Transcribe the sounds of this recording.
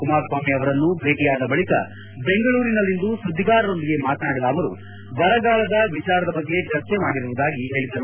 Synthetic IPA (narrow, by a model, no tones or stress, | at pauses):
kumaːɾsaːmiɐʋɐɾɐnːubʱe̞ːʈijaːd̪ɐbɐɭikɐ̰ | be̞ŋɡɐɭuːɾinɐlːind̪usud̪ʱːiɡaːɾɐɾo̞nd̪iɡe̞maːt̪naːɽɐlaːʋɐɾu | ʋɐɾɐɡaːɭɐd̪ɐʋit͡ʃaːɾɐd̪ɐbɐɡːe̞t͡ʃɐɾt͡ʃemaːɽiɾuʋud̪aːɡiɦe̞ːɭid̪ɐɾu